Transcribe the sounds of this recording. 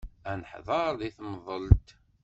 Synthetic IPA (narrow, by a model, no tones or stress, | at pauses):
ænəħðˤɑɾˤðiθməðˤəlt̪